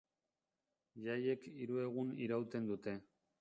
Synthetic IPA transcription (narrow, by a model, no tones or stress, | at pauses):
ʎaje̞kiɾue̞ɣ̞uniɾawt̪e̞nd̪ut̪e̞